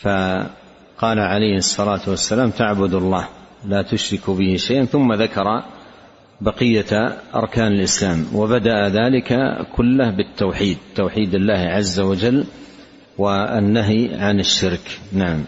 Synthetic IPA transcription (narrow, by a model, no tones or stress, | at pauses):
fa | qɑːlaʕalajhɨsˤːɑlaːt̪wasːalaːmt̪aʕbʊd̪ʊlˤːɑːhlaːt̪ʊʃɾɪkbɪhɪʃajʔanθʊmːaðakɑɾˤɑ | bɑqɪjːaʔɑ̰ɾˤkaːnɪlʔɪslaːmwʔabad̪aʔaðaːlɪka̰kʰʊlːahbɪt̪ːawħiːd̪̚t̪ːawħiːd̪ɪlːaːhʕazːawad͡ʒalː | wanːaɦiʕanɪʃːɪɾknaʕam